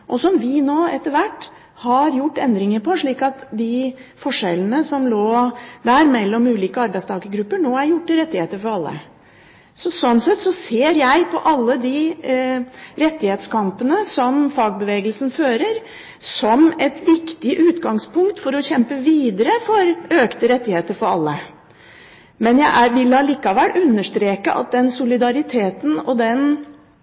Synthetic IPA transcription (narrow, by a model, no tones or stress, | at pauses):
ʔɔsɔmʋɪnoːɛt̪ːəɾʋæʈː | hɑɾjʊʈːɛnd̪ɾɪŋəɾpʰɔʂɭiːkɑt̪d̪ɪfɔʂɛlənəsɔmloːd̪æɾmɛlːɔmʉːliːkəɑɾbæɪst̪ʰɑːɡəɡɾʉpːəɳoːæɾjʊʈːɪlɾɛt̪ːɪheːt̪əɾfɔɾɑlːə̰ | sɔsɔnːsɛt̪ːsɔseːɾjæɪpʰɔʔɑlːəd̪ɪ | ɾɛt̪ːɪheːt̪skʰɑmpənəsɔmfɑːɡ̚bəʋeːɡəlsn̩føːɾəɾ | sɔmɛt̪ʋɪkt̪ɪʔʉːt̪ɡɑŋspʊŋkt̪fɔɾɔçɛmpəʋiːd̪əɾəfɔɾøːkt̪əɾɛt̪ːɪheːt̪əɾfɔɾɑ̰lːə | mɛnjæɪʔæʋɪlːɑliːkɑʋælʔʉnːəʂt̪ɾeːkəʔɑ̰t̪̚d̪ɛnsʊlɪd̪ɑɾɪt̪ʰeːt̪n̩ɔd̪ɛn